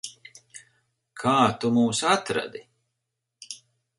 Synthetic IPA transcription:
kʰaːt̪umuːsat̪ɾa̰d̪i

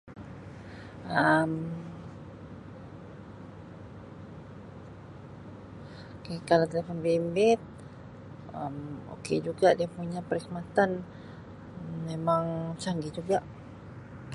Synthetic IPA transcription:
əm | kakalat̪əlefanbimbɪt̪̚ | əmo̰ked͡ʒuɡadiapuɲapəɾikmat̪an | emaŋt͡ʃaŋɡid͡ʒuɡaʔ

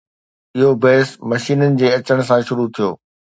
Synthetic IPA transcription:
ɪɦobɛːsmɐʃiːnənɪ̆d͡ʑeːɐt͡ɕəɽ̃̆s̬ãʃʊɾut̪ʰijo̰ː

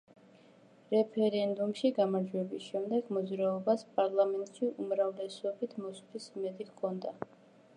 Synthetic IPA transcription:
ɾɛpʰɛɾɛnd̪umʃiɡamaɾd͡ʒwɛbisʃɛmd̪ɛɡ̥mɔd̪zɾaɔbaspʼaɾlˠamɛnt̪ʼʃiʔumɾavlɛsɔbit̪ʰmɔskpʰisimɛd̪ikʰɔnd̪a

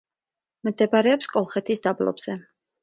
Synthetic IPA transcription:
md̪ɛbaɾɛɔpskʼɔlˠχɛt̪ʰisd̪ablɔ̰bz̥ɛ

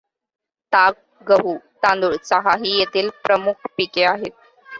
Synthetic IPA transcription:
t̪ak̚ | ɡəɦuːt̪ãnd̪uɭt͡səɦaɦiːjet̪iːlpɾəmukʰpikeaɦet̪̚

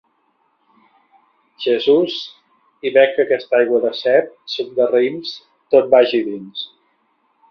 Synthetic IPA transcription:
ʒ̥əzuz | iβɛkːəkɛst̪ajɣwəðəsɛp̚sub̪̚d̪ərəims | t̪ot̪̚baʒiðins

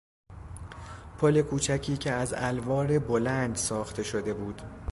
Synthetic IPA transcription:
pʰo̞le̞kʰuːt͡ʃʰæcʰiːcʰeæzælvɒːɾe̞bo̞lænd̪sɒːxt̪ʰe̞ʃo̞d̪e̞buːd̪̥

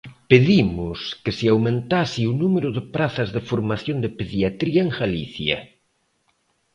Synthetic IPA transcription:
peðimʊskɪsiawmẽnt̪asiunumeɾʊðɪpɾaθɐzðɪfoɾmaθjond̪ɪpeðjat̪ɾiɐeŋɣaliθjɐ̰

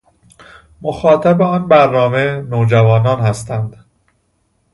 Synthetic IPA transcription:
moxɒːt̪ʰæbeɒːnbæɾnɒːmenoːd͡ʒævɒːnɒːnhæst̪ʰænd̪̥

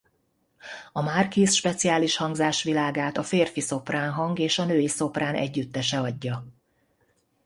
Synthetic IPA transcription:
ɒmaːrkiːsʃpɛt̪sijaːliʃhɒŋɡzaːʃʋilaːɡaːt̪ɒfeːrfiso̞praːnɦɒŋɡeːʃɒnøːjiso̞praːnʔɛ̰ɟːyt̪ːɛʃɛɒɟːɒ

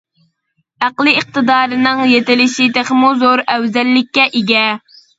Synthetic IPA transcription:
æqlˠɨiq̚t̪ɨd̪ɑːɾɨnɨŋjet̪ɪlɪʃit̪ʰeχmuzoɾɛwzɛlːɪkʲːɛʔiɡʲɛ

